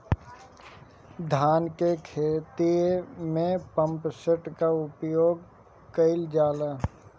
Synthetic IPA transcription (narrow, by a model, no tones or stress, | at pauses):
d̪ʱaːnkekʰeːt̪imẽpə̃mpsəʈkaʊpjoːɡ | kəɪld͡ʒaːla